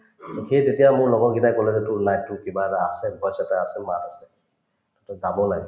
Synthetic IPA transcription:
txejzetijamʊɹlɔɡɔnɡinajkolɛsɛtʊɹnajtːʊkibaɛtaasɛbʱɔjsataasɛmatasɛ̥ | tɔtɔzabɔnaɡ

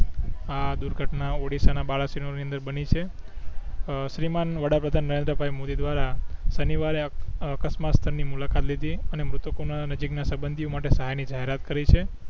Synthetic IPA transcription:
ad̪uɾɡʱəʈnaoɽisanabaɭasinoniə̃nd̪əɾbənit͡ʃʰe | ʃɾimanʋəɽapɾəd̪ʱanːəɾend̪ɾəbʱajmod̪id̪ʋaɾasəniʋaɾeəkəsmat̪st̪ʰəɾnimulakat̪lid̪ʱiənemɾʊt̪konanəd͡ʒiknasəbənd̪ʱijomaʈesəɦajnid͡ʒaɦeɾat̪kəɾit͡ʃʰe

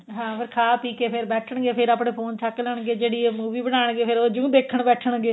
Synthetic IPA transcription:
ɦãːpʰɪɾkʰaːpiːkeːpʰɪɾbɛːʈʰəɳɡeːpʰɪɾaːpɽeːpʰoːnt͡ʃʰaːklɛɳɡeːd͡ʒeːɽiːemuːʋiːbənaːɳ̃ɡeːpʰɪɾoːd͡ʒũːd̪eːkʰːəɳbɛːʈʰəɳɡeː

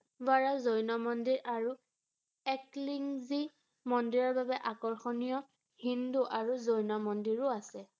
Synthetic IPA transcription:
baɹazojnɔmɔndiɹʔaɹu | ɛkliŋzi | mɔndiɹɔɹbabɛʔakɔɹxɔnijɔ | hinduʔaɹuzojnɔmɔndiɹʊasɛ

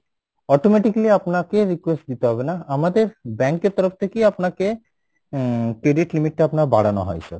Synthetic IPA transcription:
ɔʈomeʈikliapnakeɾikwesʈd̪it̪eɦɔbenaamad̪eɾbɛŋkeɾt̪ɔɾoft̪ʰekejapnake | kɾeɖiʈlimiʈːapnaɾba̰ɽano̰ɦɔ̰jsɔ̰ɾ

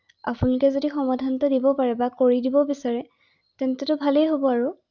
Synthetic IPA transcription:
a̰punlʊkɛzodixɔmadʱanɔtɔdibɔpaɹɛbakoɹidibɔbisaɹɛ | tɛntɛtʊbʱalejɦobɔaɹu

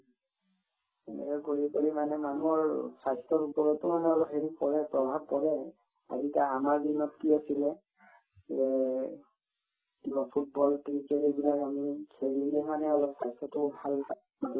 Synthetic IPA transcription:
ɛ̰nɛ̰kɛkoɹikoɹimanɛmanuɔɹsajstɔɹupɔɹɔtːʊmanɛɔlɔpheɹipɔɹɛpɹɔbʱab̚kɔɹɛ | a̰zitaamaɹbimɔtkiasilɛ | ɛ | tibɔpʰut̚bɔltiɹitaɹibilakamikʰeɹiliɛmanɛɔlɔpsajstɔtʊbʱal

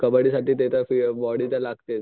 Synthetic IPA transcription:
kəbəɽiːsaʈiːt̪et̪afibɔɽit͡salaɡʱt̪et̪

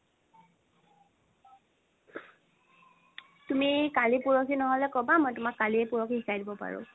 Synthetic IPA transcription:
tumikalipuɹɔkʰinɔɦɔlɛkɔbamɔjtʊmakːaliɛpuɹɔkʰiɦisajdibɔpa̰ɹʊ̰

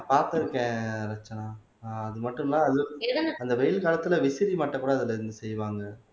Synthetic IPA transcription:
paːɾt̪ɐɾɯkːẽːɾɐt͡ʃːɐnaː | ɐðɯmɐʈːɯmnãːɐðɯɛɽɐnɐnd̪ɐʋɛjɪlkaːlɐt̪ːɯlɐʋɪsɪɾimaːʈːɐkːuːɽɐɐðɪlɐɪɾɯnd̪ɯsɛjːʋaːŋɡɐ

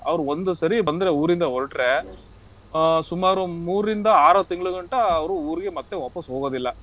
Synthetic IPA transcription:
ɐʋɐɾuond̪usɐɾibɐnd̪ɐɾeuːɾind̪ɐoɭʈɾe̞ | sumaːɾumuːɾind̪ɐaːɾɐt̪iŋɡɐɭuɡɐɳʈɐːʋɐɾuuːɾiɡe̞mɐt̪ːe̞ʋaːpɐsɦoːɡoːd̪ilːɐ

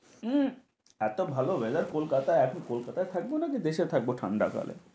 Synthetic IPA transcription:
ɛt̪obʱalobed͡ʒaɾkolkat̪aeɛkʰonkolkat̪aet̪ʰak̚bonakid̪eʃet̪ʰak̚boʈʰa̰ɳɖa̰ka̰lḛ

